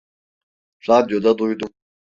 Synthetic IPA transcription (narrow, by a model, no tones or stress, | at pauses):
ɾad̪ijod̪ad̪ujd̪um